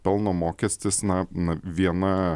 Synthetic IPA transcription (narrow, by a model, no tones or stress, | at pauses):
pʲɛlˠnoːmoːkʲɛsʲt̪ʲɪsnɐnɐʋʲiɛnɐ